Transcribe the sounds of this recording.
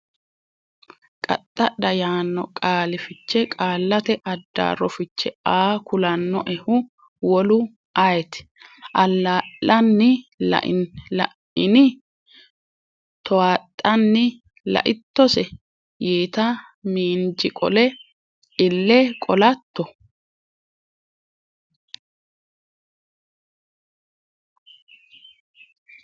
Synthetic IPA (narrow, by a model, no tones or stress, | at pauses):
kʼɐ̰t̪ʼːɐɗɐjaːnːɔkʼaːlɪfɪt͡ʃːɛkʼaːlːɐt̪ɛʔɐd̪ːa̰ːɾɔfɪt͡ʃːɛaːkʊlɐnːɔʔɛhʊ | wɔlʊ | ajɛt̪ɪ̥ʔɐlːaʔːɐnːɪlɐ̰ʔɪ̰nlɐ̰ | ɪnɪ | t̪ɔwaːt̪ʼːɐnːɪ | lɐ̰ʔɪt̪ːɔsɛ | jeːt̪ɐ | miːnd͡ʒɪkʼɔ̰lɛ | ɪlːɛkʼɔlɐt̪ːɔ